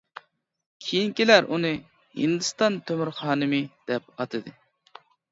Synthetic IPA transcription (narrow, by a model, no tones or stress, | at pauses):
kʲʰijiŋkʲilæɾʔunɨ | hɨ̰nd̪ɨst̪ɑnt̪ʰømyɾχɑːnɨmɨd̪̥ɛp̚ɑt̪ʰɨd̪ɨ